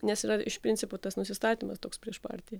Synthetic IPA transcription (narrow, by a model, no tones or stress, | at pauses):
nʲɛsɪɾɐɪʃpʲɾʲɪnʲsʲɪpʊt̪ɐsnʊsʲɪst̪ɑːt̪ʲiːmɐst̪oːkspʲɾʲiɛʃpɑ̰ːɾʲt̪ʲɪjɛ